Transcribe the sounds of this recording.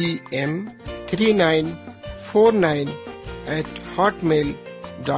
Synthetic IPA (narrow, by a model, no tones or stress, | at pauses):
iɛ̃mt̪ʰɾiːnãɪ̃nfoːɾnãɪ̃nɛʈhɔːʈmeːlɖɔ